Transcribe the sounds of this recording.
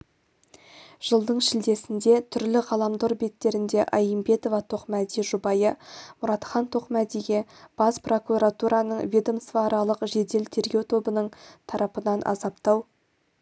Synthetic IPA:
ʒ̥əlˠd̪əɴʃɪld̪e̞sɪnd̪e̞t̪ʰʏɾlɪʁɑlˠɑmd̪oɾbe̞t̪ːe̞ɾɪnd̪e̞ʔɑjəmbe̞t̪o̞vɑt̪ʰo̞qmæd̪ijʒʊbɑjəmʊɾɑt̪χɑnt̪ʰo̞qmæd̪ijɡʲe̞b̥ɑspro̞kuɾat̪uɾɑnəɴvʲed̪o̞mst̪vɑːɾɑlˠəqʒe̞d̪e̞lt̪ʰe̞ɾɡʲe̞wt̪ʰo̞bənəɴt̪ʰɑɾɑpənɑnʔɑ̰zɑpt̪ɑw

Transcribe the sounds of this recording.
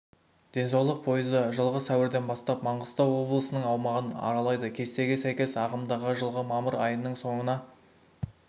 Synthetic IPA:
d̪̥e̞nsɑwlˠəq̚pʰo̞jəzəʒəlˠʁəsæwɪɾd̪e̞nbɑst̪ɑpmɑɴʁəst̪ɑwwo̞blˠəsənəɴɑwmɑʁənɑ̰ɾɑlˠɑjd̪əkʲʰe̞st̪e̞ɡʲe̞sæjkʲe̞sɑʁəmd̪ɑʁəʒəlˠʁəmɑməɾɑjənːəɴso̞ɴənɑ

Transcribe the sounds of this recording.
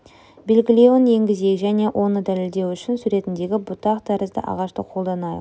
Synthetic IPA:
be̞lʲɡʲɪlʲewɪnje̞ŋɡʲɪze̞jʒæne̞ʔo̞nəd̪æle̞ld̪e̞wʏʃɪnsuɾe̞t̪ɪnd̪e̞ɡʲɪbʊt̪ɑqd̪̥æɾəzd̪ə̰ʔɑ̰ʁɑʃt̪əqʰo̞lˠd̪ɑnɑj

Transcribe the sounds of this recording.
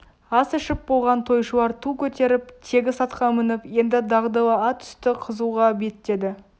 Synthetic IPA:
ɑsɪʃɪp̚bo̞lˠʁɑnt̪ʰo̞jʃuwɑɾt̪ʰukʲʰɵt̪e̞ɾɪp̚t̪ʰe̞ɡʲɪsɑt̪qɑmɪnɪpje̞nd̪ɪd̪ɑʁd̪ɑwˠəɑt̪ʰʏ̥st̪ɪqʰəzuʁɑbe̞t̪ːe̞d̪ɪ

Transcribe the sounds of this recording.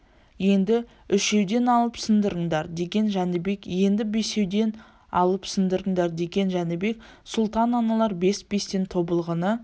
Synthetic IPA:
je̞nd̪ɪ | ʏʃe̞wd̪e̞nɑlˠəpsɪnd̪əɾəɴd̪ɑɾd̪e̞ɡʲe̞nʒænɪbe̞kje̞nd̪ɪbese̞wd̪e̞n | ɑ̰lˠəpsɪnd̪əɾəɴd̪ɑɾd̪e̞ɡʲe̞nʒænɪbe̞k | sʊlˠt̪ɑnɑnɑlˠɑɾbe̞sbe̞st̪e̞nt̪ʰo̞bəlˠʁənə

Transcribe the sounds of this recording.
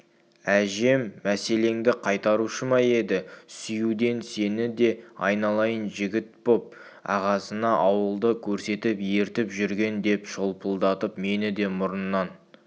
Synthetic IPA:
æʒe̞mːæse̞le̞ŋd̪ɪqʰɑjt̪ɑɾuʃəmɑje̞d̪ɪsʏjud̪e̞nse̞nɪd̪e̞ɑjnɑlˠɑjənʒɪɡʲɪt̪̚bo̞p̚ | ɑ̰ʁɑsənɑʔɑwəlˠd̪əkʲʰɵɾse̞t̪ɪpje̞ɾt̪ɪpʒʏɾɡʲe̞nd̪e̞pʃolˠpʰəlˠd̪ɑt̪əpme̞nɪd̪e̞mʊɾənːɑn

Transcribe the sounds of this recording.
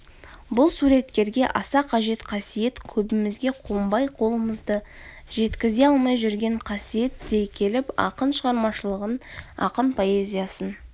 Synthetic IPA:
bʊlˠsuɾe̞t̪kʲe̞ɾɡʲe̞ʔɑsɑqʰɑʒe̞t̪qʰɑsije̞t̪kʲʰɵbɪmɪzɡʲe̞qʰombɑjqʰo̞lˠəməzd̪ə | ʒe̞t̪kʲɪze̞ɑlˠmɑjʒʏɾɡʲe̞ɴqʰɑsije̞t̪̚d̪e̞jkʲʰe̞lɪpɑ̰qənʃəʁɑɾmɑʃəlˠəʁənɑ̰qənpʰo̞e̞zʲijɑsən

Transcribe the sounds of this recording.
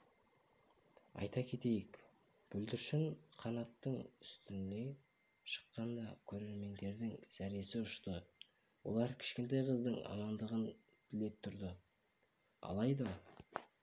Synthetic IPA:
ɑ̰jt̪ɑkʲʰe̞t̪e̞jɪk | b̥ɵld̪ɪɾʃɪŋqʰɑnɑt̪ːəɴʏst̪ɪnne̞ | ʃə̥qːɑnd̪ɑkʲʰɵɾe̞ɾme̞nd̪e̞ɾd̪ɪŋsæɾe̞sɪʊʃt̪ə | wo̞̰lˠɑɾkʲʰɪ̥ʃkʲe̞nt̪̬ɑjqʰəzd̪əɴɑ̰mɑnd̪əʁən | t̪ʰɪle̞p̚t̪ʰʊɾd̪ə | ɑ̰lˠɑjd̪ɑ

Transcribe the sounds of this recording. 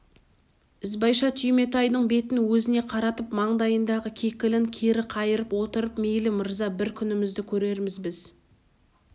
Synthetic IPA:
ɪzbɑjʃɑt̪ʰʏjme̞t̪ɑjd̪əɴbe̞t̪ɪnwɵzɪne̞qʰɑɾɑt̪əpmɑɴd̪ɑjənd̪ɑʁəkʲʰekʲɪlɪŋkʲʰeɾɪqʰɑjəɾəpwo̞t̪əɾəpmejlɪməɾzɑbɪɾkʲʰʏnɪmɪzd̪ɪkʲʰɵɾe̞ɾmɪzbɪz

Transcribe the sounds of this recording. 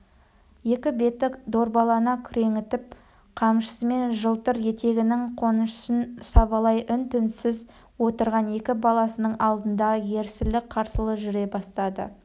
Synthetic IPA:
je̞kʲɪbe̞t̪ɪkd̪o̞ɾbɑlˠɑnɑkʲʰʏɾe̞ŋɪt̪ɪp̚ | qʰɑmʃə̥səme̞nʒəlˠt̪əɾje̞t̪e̞ɡʲɪnɪŋqʰo̞nəʃsənsɑβɑlˠɑjʔʏnt̪ɪnsɪz | wo̞t̪əɾʁɑne̞kʲɪbɑlˠɑsənəɴʔɑlˠd̪ənd̪ɑje̞ɾsɪlɪk̚qʰɑɾsəlˠəʒʏɾe̞bɑst̪ɑd̪ə̰

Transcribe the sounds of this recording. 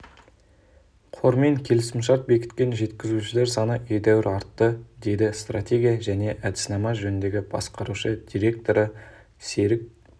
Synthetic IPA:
qʰo̞ɾme̞ŋkʲʰe̞lɪsɪmʃ̬ɑɾt̪̚be̞kʲɪ̥t̪kʲe̞nʒe̞t̪kʲɪzuʃɪle̞ɾsɑnəʔejd̪æwɪɾɑɾt̪ːəd̪e̞jd̪ɪst̪rat̪ʲe̞ɡʲijaʒæne̞ʔæd̪ɪ̥snɑmɑʒɵnɪnd̪e̞ɡʲɪbɑ̰sqɑɾuʃəd̪̥ʲiɾʲe̞k̚t̪o̞ɾə | se̞ɾɪk̚

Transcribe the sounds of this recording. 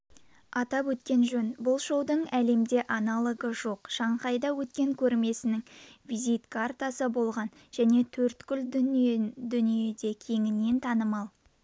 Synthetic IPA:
ɑt̪ɑpwɵt̪kʲe̞nʒɵnbʊlˠʃowd̪əɴæle̞md̪e̞ʔɑnɑlˠəɡəʒo̞qʃɑɴqɑjd̪ɑwɵt̪kʲe̞ŋkʲʰɵɾme̞sɪnɪŋvijzijt̪kʰart̪ɑsəbo̞lˠʁɑn | ʒ̥æne̞t̪ʰɵɾt̪kʲʰʏl | d̪ʏnije̞d̪e̞kʲʰe̞ŋɪnːe̞nt̪ʰɑnəmɑlˠ

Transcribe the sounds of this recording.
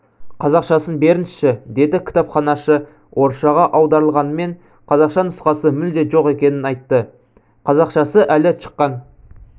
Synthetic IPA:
qʰɑzɑqʃɑsənbe̞ɾɪnɪ̥ʃɪd̪e̞d̪ɪkʲʰɪ̥t̪ɑpχɑnɑʃə | wʔo̞ɾʃɑʁɑʔɑwd̪ɑɾəlˠʁɑnəme̞ɴ | qʰɑzɑqʃɑnʊsqɑsəmʏld̪e̞ʒo̞qe̞kʲe̞nɪnɑjt̪ːə | qʰɑzɑqʃɑsəʔælɪʃə̥qːɑn

